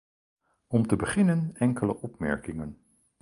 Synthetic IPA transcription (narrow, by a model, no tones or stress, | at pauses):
ɔmtəbəχɪnənɛŋkələʔɔpmɛ̰ɹkɪŋən